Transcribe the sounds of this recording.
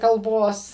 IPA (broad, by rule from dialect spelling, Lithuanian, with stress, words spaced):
kɐlˠˈboːs